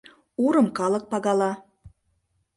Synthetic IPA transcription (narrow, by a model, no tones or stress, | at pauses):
uɾɤ̆mkɑlɤ̆k̚pɑɣɑlɑ